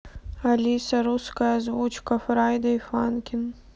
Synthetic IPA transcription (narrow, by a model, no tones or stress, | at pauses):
alʲisɐɾuskajɐzvut͡ʃkɐfɾajd̪ɐifankʲɪn